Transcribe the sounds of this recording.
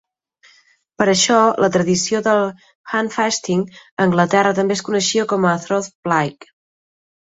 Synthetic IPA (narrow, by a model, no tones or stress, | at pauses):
pəɾəʃɔlʔət̪ɾəðisioðəlˠ | xanfɛst̪iŋəŋɡlət̪ɛrət̪əmbeskunəʃiəkɔməθɾoθblajk